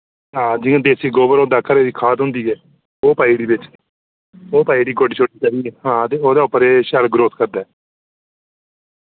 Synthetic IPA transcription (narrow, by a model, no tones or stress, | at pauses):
ɦãːd͡ʒɪãːd̪eːsiːɡoːbəɾɦõːd̪aːkʰəɾeːd̪iːkʰaːt̪ɦʊ̃nd̪iːɛː | oːpaːiːɖiːbɪt͡ʃ | oːpaːiːɖiːɡoːɖiːt͡ʃʰoːʈiːkaɾiːɛɦãːt̪eːoːd̪aːʊpːəɾeːʃəɾɡɾoːskəɾd̪aːɛː